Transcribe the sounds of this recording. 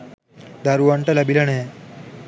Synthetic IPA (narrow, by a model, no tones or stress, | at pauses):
d̪aɾuʋaɳʈalabilane